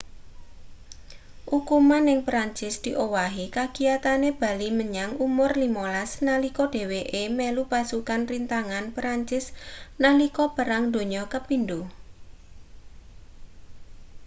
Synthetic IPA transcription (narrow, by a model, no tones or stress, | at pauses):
ʔukumanɪŋpɾaɲt͡ʃɪsd̪̥i̤ʔowaɦikaɡ̥i̤jat̪aneb̥a̤liməɲaŋumʊrlimolasnalikɔɖ̥e̤weʔemɛlupasukanrint̪aŋanpɾaɲt͡ʃɪsnalikɔb̥ə̤ɾaŋd̪o̤ɲɔkəpind̪u